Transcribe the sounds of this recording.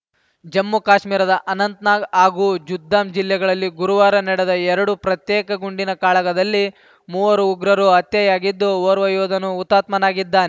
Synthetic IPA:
d͡ʒɐmːukaːʃmiːɾɐd̪ɐʔɐnɐnt̪naːɡaːɡuːd͡ʒud̪ʱːaːmd͡ʒilːɛɡɐɭɐlːiɡuɾuʋaːɾɐnɛɽɛd̪ɐɛɾɐɽupɾɐt̪jɛːkɐɡuɳɖinɐkaːɭɐɡɐd̪ɐlːi | muːʋɐɾuːɡɾɐɾuɐt̪jɐjaːɡid̪ːuɔːɾʋɐjɔːd̪ʱɐnuːt̪ːaːt̪mɐnaːɡid̪ːaːnɛ

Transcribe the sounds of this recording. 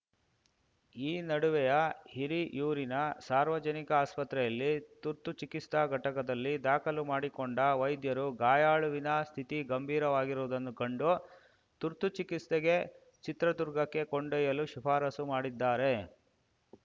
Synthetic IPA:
iːnɐɽuʋɛjɐhiɾijuːɾinɐsaːɾʋɐd͡ʒɐnikɐaːspɐt̪ɾɛjɐlːit̪uɾt̪ut͡ʃikist̪ɐɡʱɐʈɐkɐd̪ɐlːid̪aːkʰɐlumaːɽikoɳɖɐʋɐjd̪jɐɾuɡaːjaːɭuʋinɐst̪ʰit̪iɡɐmbʱiːɾɐʋaːɡiɾoːd̪ɐnːukɐɳɖu | t̪uɾt̪ut͡ʃikist̪eɡe̞ | t͡ʃit̪ɾɐd̪uɾɡɐkːe̞koɳɖɛːjɐluʃipʰaːɾɐsumaːɽid̪ːaːɾe̞

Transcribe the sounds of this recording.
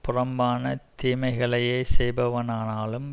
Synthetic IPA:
pʊrɐmbaːnɐt̪iːmɐɪɣɐɭɐjeːsɛjbɐʋɐnaːnaːlɯm

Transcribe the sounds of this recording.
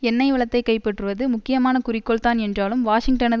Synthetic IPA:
ɛnːɐɪʋɐɭɐt̪ːɐɪkːɐɪpːɛʈrɯʋɐðɯmʊkːɪjɐmaːnɐkʊrɪkːɔɭt̪aːnɛndraːlɯmʋaːʂɪŋɡʈɐnɐ

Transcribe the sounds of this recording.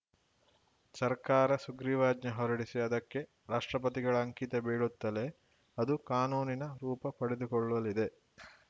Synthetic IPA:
sɐɾkaːɾɐsuɡɾiʋaːd͡ʒɲɐɦɔɾɐɽisiɐd̪ɐkːe̞ | ɾaːʂʈɾɐp̬ɐt̪iɡɐɭɐːŋkit̪ɐbeːɭut̪ːɐle̞ | ɐd̪ukaːnuːninɐɾuːpɐpɐɽed̪ukɔɭːɐlid̪e̞

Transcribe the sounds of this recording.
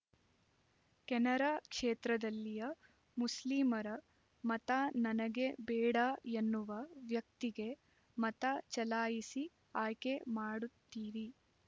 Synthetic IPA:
kɛnɐɾaːkʂeːt̪ɾɐd̪ɐlːijɐ | musliːmɐɾɐ | mɐt̪anɐnɐɡe̞bɛːɽaenːuʋɐʋjɐk̚t̪iɡe̞ | mɐt̪at͡ʃɐlaːjisi | aːjkemaːɽut̪ːiːʋi

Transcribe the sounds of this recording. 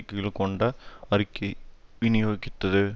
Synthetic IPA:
kːɯɣɐɭkɔɳɖɐɐɾɪkːɐʋɪnɪjoːɣɪt̪ːɐðɯ

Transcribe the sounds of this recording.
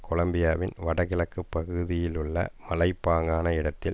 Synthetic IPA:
kɔlɐmbɪjaːʋɪnʋɐɽɐɣɪlɐkːɯpːɐɣɯðɪjɪlɯɭːɐ̰mɐlɐɪpːaːŋɡaːnɐɪɽɐt̪ːɪl

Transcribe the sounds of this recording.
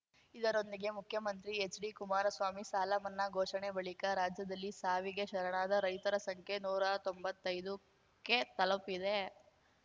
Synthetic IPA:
id̪ɐɾo̞nd̪iɡe̞mukʰjɐmɐnt̪ɾiet͡ʃɖikumaːɾɐsʋaːmisaːlɐmɐnːɐɡʱɔːʃɐɳebɐɭikɐɾaːd͡ʒjɐd̪ɐlːisaːʋiɡe̞ʃɐɾɐɳaːd̪ɐɾɐjt̪ɐɾɐsɐŋkʰe̞nuːɾɐt̪o̞mbɐt̪ːɐjd̪u | ke̞t̪ɐlɐpid̪e̞

